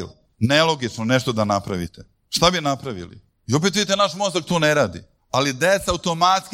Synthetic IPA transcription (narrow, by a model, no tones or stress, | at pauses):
l | nelˠo̞ɡit͡ʃnone̞ʃt̪od̪anapɾaʋḭt̪e | ʃt̪abinapɾaʋḭlḭ | io̞p̬et̪ʋiit̪enaʃmost̪ak̚t̪uːneɾaːd̪ḭ | alid̪et̪saaut̪omat̪sk